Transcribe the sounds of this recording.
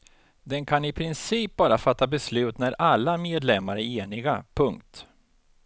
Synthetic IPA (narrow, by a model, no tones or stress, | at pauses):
d̪ɛnkʰanɪpʰɾɪnsiːp̚bɑːɾafat̪ːabɛslʉ̟ːt̪næɾalːameːd̪lɛmːaɾəeːnɪɡapʰɵŋkt̪